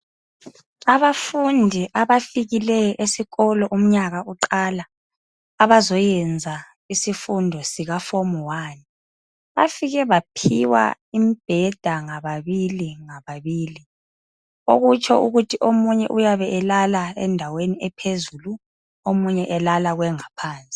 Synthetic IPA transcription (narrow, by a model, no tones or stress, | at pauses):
aβafundʱiʔaβafiɣilɛjɔʔesiɣɔlɔʔum̩ɲaɣauǃalaː | βazɔjɛnd͡zʱa | isifundʱɔsiɣafomwaːni | βa̰fiɣɛβapʰiwa̰ | imib̥ʱɛd̥ʱaŋaβaβiliŋaβaβiːli | oɣut͡ʃʰʼɔuɣutʰiʔomuɲɛ̰ʔujaβɛʔɛlalaɛ̰ndʱaweniɛpʰezuːlu | omuɲɛʔɛlalaɣwɛŋapʰaːnt͡sʼi̥